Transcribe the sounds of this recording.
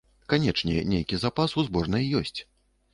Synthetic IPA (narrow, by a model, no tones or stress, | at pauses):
kanʲɛt͡ʂnʲɛnʲejkʲizapasuzbɔʐnɨjjɔsʲt͡sʲ